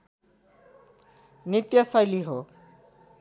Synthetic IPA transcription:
nit̪jʌsʌjliɦo

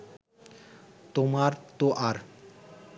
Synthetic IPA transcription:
t̪omaɾt̪oʔaɾ

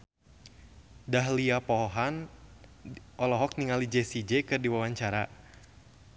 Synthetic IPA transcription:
daɦliapɔɔɦan | ʔɔlɔɦɔk̚niŋalid͡ʒɛsid͡ʒɛkɨrdiwawaɲt͡ʃaɾa

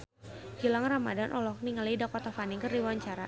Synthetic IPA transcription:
ɡilaŋrama̰danʔɔlɔk̚niŋalidakɔt̪afaniŋkəriwaɲt͡ʃaɾa

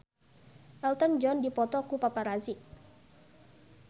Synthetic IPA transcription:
ʔɛlt̪ɔnd͡ʒɔndipɔt̪ɔkupapaɾazi

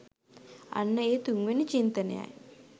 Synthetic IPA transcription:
ɐ̰nːɐeːt̪uŋʋɐnit͡ʃint̪ɐnɐ̰ja̰ːj

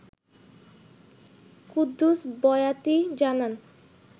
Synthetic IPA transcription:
kud̪ːusbɔjat̪id͡ʑanan

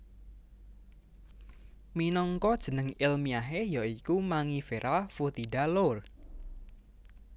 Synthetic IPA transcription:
minɔŋkɔd̥ʒ̥ə̤nəŋɪlmiaɦejaikumaŋifeɾʔafut̪iɖalor

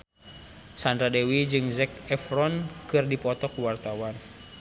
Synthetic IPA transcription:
sandɾadɛwid͡ʒɨŋzɛk̚ɛfɾɔnkɨrdipɔt̪ɔkuwart̪awan

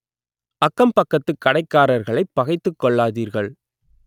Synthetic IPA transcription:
ʔɐkːɐmpɐkːɐt̪ːɯkːɐɽɐɪkːaːɾɐɾɣɐɭɐɪpːɐɣɐɪt̪ːɯkːɔɭːaːðiːɾɣɐɭ

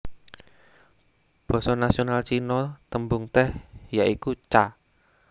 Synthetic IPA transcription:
b̥ɔ̤sɔnasionalt͡ʃinɔt̪əmbʊŋt̪ɛhjaʔikut͡ʃa

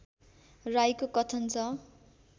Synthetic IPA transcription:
rajkokʌt̪ʰʌnt͡sʰʌ

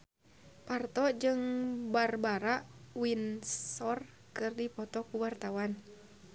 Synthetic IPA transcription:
part̪ɔd͡ʒɨŋbarbaɾaʔwinsɔr | kɨrdipɔt̪ɔkuwart̪awan

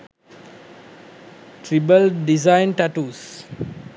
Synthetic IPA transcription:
ʈɾibəlɖizãɪ̃nʈaʈuːs

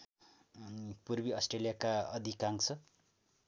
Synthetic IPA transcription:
nipurbiʌsʈrelijakaʌd̪ʱikaŋkt͡sʰʌ

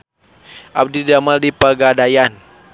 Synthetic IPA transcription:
ʔab̚didamaldipaɡadajan

